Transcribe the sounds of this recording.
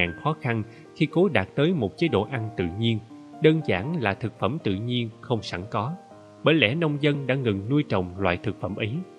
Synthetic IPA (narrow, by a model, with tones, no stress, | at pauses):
aː˨˩nxɔ˨˦xa˧n | xi˧ko˨˦ɗaː˨˩t̚t̪əː˨˦jmo˨˩t̚t͡ɕe˨˦jɗo̰˧˨ʔa˧nt̪ɨ̰˧˨ɲi˧ənɗəː˧nza̰ː˧˩nlaː˨˩t̪ʰɨ˨˩k̚fə˧˩mt̪ɨ̰˧˨ɲi˧ənxə˧wŋ͡msa˧˩ŋkɔ˨˦ | ɓəː˧˩jlɛ̰˧˩nə˧wŋ͡mzə˧nɗa̰ː˧˥ŋɨ˨˩ŋnu˧əjt͡ɕɔ̰˧˨wŋ͡mlwa̰ː˧˨jt̪ʰɨ˨˩k̚fə˧˩mʔə˨˦j